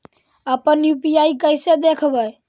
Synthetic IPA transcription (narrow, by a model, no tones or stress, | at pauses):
əpənjupijaikəjsed̪ekʰbəj